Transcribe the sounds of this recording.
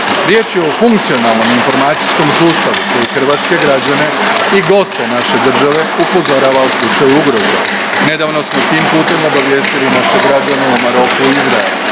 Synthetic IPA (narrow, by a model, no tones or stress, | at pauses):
ɾje̞ːt͡ʃjeofuŋkt̪sio̞nalˠno̞minfo̞ɾmaːt̪sisko̞msuːst̪aʋukojexr̩ʋaːt̪ske̞ɡɾad͡ʑane̞iɡo̞st̪e̞naʃe̞d̪r̩ʒaʋe̞upo̞zoɾaːʋauslˠut͡ʃajuuɡɾozḛ | ne̞d̪aːʋno̞smo̞t̪iːmpuːt̪e̞mo̞baʋje̞ːst̪ilinaʃeɡɾad͡ʑane̞umaɾo̞kuiizɾa̰ḛlu